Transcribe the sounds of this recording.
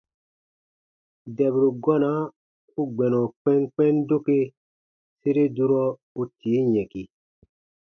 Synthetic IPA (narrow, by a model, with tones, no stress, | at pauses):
dɛ˨bɾu˨ɡɔ˦na˦ | u˦ɡ͡bɛ˨nɔ̃˨k͡pɛ̃˦ŋk͡pɛ̃˦ndo˦ke˦ | se˦ɾe˦du˦ɾɔ˦ | u˦tʰi˨˦jɛ̃˨ki˨